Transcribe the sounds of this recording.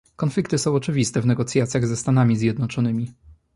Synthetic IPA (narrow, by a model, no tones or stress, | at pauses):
kɔnflʲikt̪ɘsɔ̃w̃ɔt͡ʂɘvʲist̪ɛvnɛɡɔt̪sʲjat̪sʲjaɣzɛst̪anamʲizʲjɛd̪nɔt͡ʂɔnɘmʲi